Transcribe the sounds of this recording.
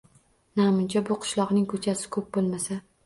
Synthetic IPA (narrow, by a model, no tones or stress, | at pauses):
namʊnt͡ʃʰabʊqʰɨ̥ʃlˠɒʁnɪŋkʰɵt͡ʃʰasɪ̥kʰɵp̚bolˠmasa